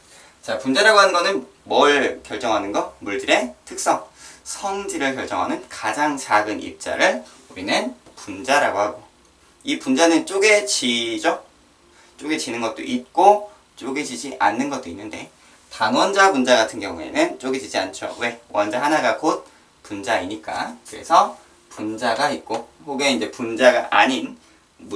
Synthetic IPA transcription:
t͡ɕapund͡ʑaɾaɡoɦanɯnɡʌnɯn | mʌɭkjʌɭt͡ɕ͈ʌŋɦanɯnɡʌmuɭd͡ʑiɾe̞tʰɯk̚s͈ʌŋsʰʌŋd͡ʑiɾɯɭkjʌɭt͡ɕ͈ʌ̰ŋɦanɯnkad͡ʑaŋt͡ɕaɡɯnḭp̚t͡ɕ͈a̰ɾɯɭ | uɾinɯnpund͡ʑaɾaɡohaɡo | ipund͡ʑanɯnt͡ɕ͈oɡe̞t͡ɕid͡ʑo | t͡ɕ͈oɡe̞t͡ɕinɯnɡʌt̚t͈o̰ʔit̚k͈o | t͡ɕ͈oɡe̞d͡ʑid͡ʑiʔa̰nːɯnɡʌt͈oinːɯnde̞̰ | taŋwʌnd͡ʑabund͡ʑaɡatʰɯnɡjʌŋue̞̰nɯnt͡ɕ͈oɡed͡ʑid͡ʑia̰nt͡ɕʰo̰we̞wʌnd͡ʑʌɦanaɡakot̚ | p͈und͡ʑaiɲik͈a̰kɯɾe̞̰sʰʌ | pund͡ʑaɡait̚k͈ohoɡe̞ind͡ʑe̞pund͡ʑaɡaʔa̰ɲin | m

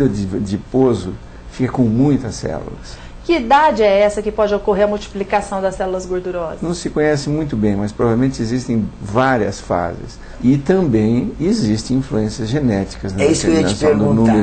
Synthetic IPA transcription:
d̪ɐd͡ʒɪd͡ʒɪpozʊ | fikɐkõw̃mũj̃t̪ɐsɛ̰lṵlɐs | kɪid̪ad͡ʒɪɛɛsɐkɪpɔd͡ʒɪokoɦeɾɐmuwt͡ʃi̥plikasɐ̃w̃d̪ɐsɛlulɐzɡoɾd̪uɾɔzɐnɐ̃w̃sɪkõɲɛsɪmũj̃t̪ʊbẽj̃mɐspɾɔvavelmẽnt͡ʃɪezist̪ẽj̃vaɾiɐsfa̰zɪ̰s | ɪt̪ɐ̃mbẽj̃ezist̪ẽĩfluẽsiɐzʒenɛt͡ʃi̥kɐznɐɛisʊkeɾẽnaasɐ̃ẽd̪ʊ̃nũmeɾ

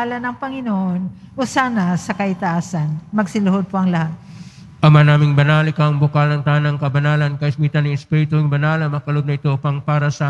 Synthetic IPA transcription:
alɐnɐŋpɐŋɪnoʔonʔosaːnɐsɐkɐʔɪt̪ɐʔaːsɐnmɐɡsɪlʊhod̪̚poʔɐŋlɐhat̪̚ | ʔɐmanaːmɪŋbɐnaːlɪkɐɐŋbʊkalnɐŋt̪aːnɐŋkɐbɐnaːlɐnkɐʔɪsmiːt̪anɪŋɪspɛɾɪt̪oɪŋbɐnaːlɐŋmɐkɐlod̪nɐɪt̪opɐŋpaːɾɐsɐ

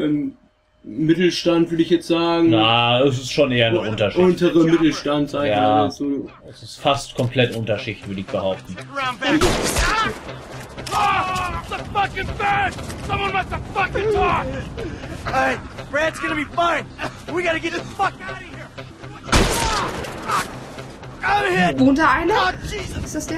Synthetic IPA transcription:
ʔɛm | mɪtl̩ʃtantv̥ʏɐɾəɪçjɛt͡stz̥aːɡŋ̩naɛs̬ɪstʃoːnʔeːɐnəʊntɐʃʔʊntəʁəmɪtl̩ʃtantz̥aɪjaz̥oːʔɛsɪstfastkʰɔmpʰl̥ɛtʔʊntɐʃɪçtv̥ʏɐdəɪçb̥əhaʊp̚tn̩ãʊ̃nbɛ | səfʌkɨ̃nfɜ˞nsʌ̃mwʌ̃nmaɪksəfʌkɪ̃na | eɪb̥ɹædzɡ̥ʌnɨbifʌ̃nwiɡɑɾɨɡɛtɨsfʌk̚aɾihiɹ | fʌk | ɡ̥oʊhɪvoːntdaaɪnəɪsd̥asd̥e

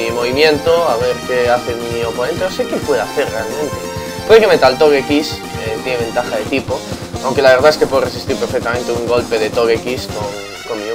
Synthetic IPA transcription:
imo̞βimjẽ̞nt̪oaβeɾkeaθemio̞po̞nẽnt̪enosekepwe̞ðoaθe̞ɾre̞almẽnt̪e | pweðekemet̪alt̪o̞ɣekis | et̪jeneẽ̞nt̪axaðe̞t̪ipo | awŋke̞laβeɾð̞aeskepweo̞resist̪iɾpe̞ɾfek̚t̪amẽnt̪euŋɡo̞lpe̞ðet̪oɣekiskoŋ | komi

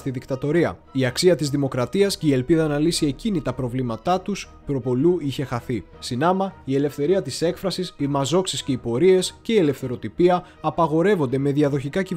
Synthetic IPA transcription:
t̪iðikt̪ɐt̪o̞ɾiɐ̰iɐksiɐt̪izðimo̞kɾɐt̪iɐsce̞ie̞lpiðɐnɐlisie̞cinit̪ɐpɾo̞vlimɐt̪ɐt̪us | pɾo̞po̞luiçe̞xɐθi | sinɐmɐie̞le̞fθe̞ɾiɐt̪ise̞kfɾɐsisimɐzo̞ksisce̞ipo̞ɾie̞sce̞ie̞le̞fθe̞ɾo̞t̪ipiɐː | pɐɣo̞ɾe̞vo̞nd̪e̞me̞ðiɐðo̞çikɐci

